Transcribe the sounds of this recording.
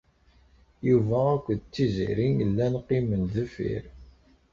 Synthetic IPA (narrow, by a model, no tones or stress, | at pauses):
juvæækʷːðt͡sːizḭɾinəlːænqiməlðəfḭɾ